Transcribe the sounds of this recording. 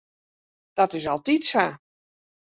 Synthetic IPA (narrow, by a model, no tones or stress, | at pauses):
d̥ɔtɪsɔlˠtitsa